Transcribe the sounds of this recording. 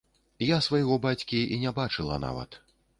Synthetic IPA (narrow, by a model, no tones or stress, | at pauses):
jasvajɣɔbat͡sʲkʲiinʲabat͡ʂɨlˠɐ̰na̰vɐ̰t̪